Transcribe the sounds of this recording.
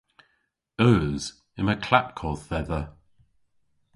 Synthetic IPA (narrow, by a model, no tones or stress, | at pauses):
əːz̥ | ɪ̃məkʰl̥ap̚kʰɔːθɛðə